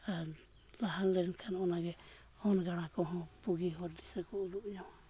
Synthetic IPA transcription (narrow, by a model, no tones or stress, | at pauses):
aɾ | laɦanlɛɾnkʰanɔnaɡɛ | ɔnɡaɽ̃akɔɦɔ̃puɡiɦɔɾdisəkɔud̪uʔɲɔa